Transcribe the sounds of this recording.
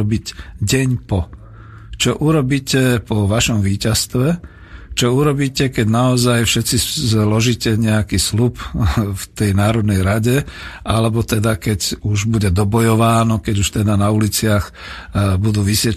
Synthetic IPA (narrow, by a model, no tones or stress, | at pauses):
biɟɟɛɲpɔ | t͡ʃɔʔuɾɔbiːcɛpɔʋaʃɔmʋiːcast̪ʋɛ | t͡ʃɔuɾɔbiːcɛkɛɟnaɔzajfʃɛt̪t͡sizlɔʒiːcɛɲɛakiːslupft̪ɛjnaːɾɔd̪nɛjɾaɟɛʔalɛbɔt̪ɛd̪akɛɟuʒbuɟɛd̪ɔbɔjɔʋaːnɔkɛɟuʃt̪ɛd̪anaulit͡sɪax | bud̪uːʋisjɛ